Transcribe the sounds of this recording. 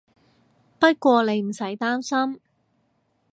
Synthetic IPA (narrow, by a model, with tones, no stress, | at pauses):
pɐ˥t̚kʷɔː˧le˨˧jm̩˨˩sɐ˨˥jt̪aː˥msɐ˥m